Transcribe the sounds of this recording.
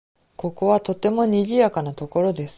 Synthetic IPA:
ko̞ko̞βat̪o̞t̪ːe̞mo̞ɲ̟iʑʲijakanat̪o̞ko̞ɾo̞d̪e̞sɨ̥

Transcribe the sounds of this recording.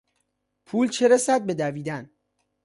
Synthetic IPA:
pʰuːlt͡ʃʰeɾesæd̪̚be̞d̪æviːd̪æn

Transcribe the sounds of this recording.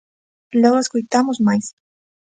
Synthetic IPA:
loweskojt̪amʊzmajs

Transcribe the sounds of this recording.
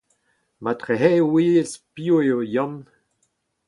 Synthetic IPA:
matʁeɦɛwiːspioeojɔ̃m

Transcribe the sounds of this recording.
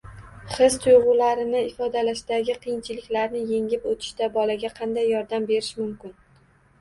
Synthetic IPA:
χɪzt̪ʰʊjʁʊlaɾɪnɪɪfɒd̪alaʃd̪aɡʲɪqʰɨjɪnt͡ʃʰɪlɪkʲlaɾnɪje̞ŋɪpot̪ʰɪ̥ʃt̪abɒlaɡʲaqʰɑnd̪ajːɒɾd̪ambe̞ɾɪʃmʊmkʲɪn

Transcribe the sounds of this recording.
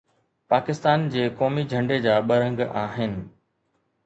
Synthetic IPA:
paːkɪst̪aːnd͡ʑeːkɔːmid͡ʑʱɐ̃ɳɖed͡ʑaːɓɐɾə̃ŋɡaːɦɪnɪ̆

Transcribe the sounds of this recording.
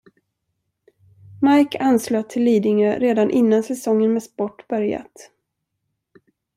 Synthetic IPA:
majkʰansløːt̪ʰɪlːiːd̪ɪŋəɾeːd̪anʔɪnːansɛsɔŋːənmeːspɔʈːb̥œɾja̰t̪

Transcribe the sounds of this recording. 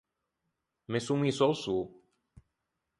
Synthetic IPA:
mesumisɔlsu

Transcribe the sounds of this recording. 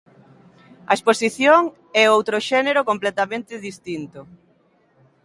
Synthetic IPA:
ɐ̰esposiθjoŋ | ɛowt̪ɾoʃɛneɾokomplɛt̪amẽnt̪ɪðist̪int̪o

